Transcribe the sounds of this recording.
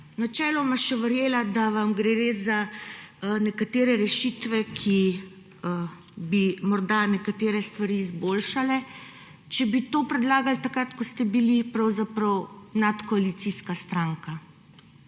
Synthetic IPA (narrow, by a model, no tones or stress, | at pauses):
nat͡ʃɛːlɔmaʃɛʋəɾjeːlad̪aʋamɡɾɛɾeza | nɛkat̪eːɾɛɾɛʃit̪ʋɛkʰi | ə | bimɔɾd̪anɛkat̪eːɾɛst̪ʋaɾiːzbolʃalɛ | t͡ʃɛbit̪oːpɾɛd̪laːɡalt̪akɾat̪kɔst̪ɛbilipɾɐwzapɾɐwnat̪kɔalit̪siːskast̪ɾaŋka